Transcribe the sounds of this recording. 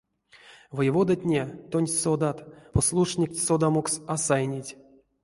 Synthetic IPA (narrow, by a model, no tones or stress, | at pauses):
vɨjvod̪atʲnʲet̪onʲsod̪at̪poslˠuʂnʲikʲsod̪amoksasajnʲitʲ